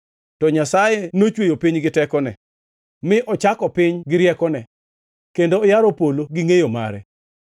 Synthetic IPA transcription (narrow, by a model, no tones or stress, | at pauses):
tɔɲasajenot͡ʃwejopiɲɡɪtɛkɔnɛ | mɪʔɔt͡ʃakɔpɪɲɡɪɾjɛkɔnɛ | kendoːjaɾopoloɡɪŋejoma̰ɾɛ̰